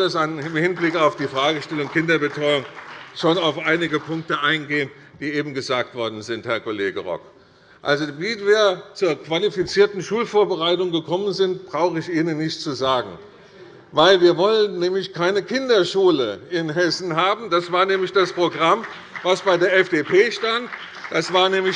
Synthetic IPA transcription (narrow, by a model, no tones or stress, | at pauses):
d̥asanɪmhɪnblɪkaʊfd̥iːfʁ̥aːɡəʃtɛlʊŋkʰɪndɐbətʁ̥ɔʏʊŋʃoːnaʊfʔaɪnɪɡəpʰʊŋk̚təʔaɪnɡeːən | d̥iːʔeːbm̩ɡəzaːk̚tv̥ɔɐdn̩zɪnthɛɐkoleːɡəʁɔ̰k | ʔa̰lzoviviːɐt͡suːɐkv̥alifit͡siːɐtn̩ʃuːlfoːɐbəʁaɪtʊŋɡəkʰɔmənzɪntb̥ʁaʊxəɪçʔiːnənːɪçtt͡suzaːɡŋ̩ | vaɪlviːɐvɔlənːɛːmlɪçkʰaɪnəkʰɪndɐʃuːləʔɪnɦɛsn̩ɦaːbm̩d̥asv̥aːɐnɛːmlɪçd̥aspʁ̥oɡʁam | vasb̥aɪdeːɐʔɛfd̥eːpʰeːʃtant | d̥asv̥aːɐnɛːmlɪ